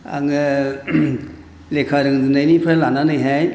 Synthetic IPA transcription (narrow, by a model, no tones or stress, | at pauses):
a̰ŋɯ | lekʰaɾɯŋzɯnajnipʰalananɯjɦaj